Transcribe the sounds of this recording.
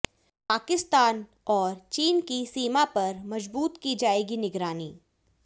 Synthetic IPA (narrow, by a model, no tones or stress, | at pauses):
paːkɪst̪aːn | ɔːɾt͡ʃiːnkisiːmapɐɾmɐd͡ʒbuːt̪kid͡ʒaːeːɡinɪɡɾaːniː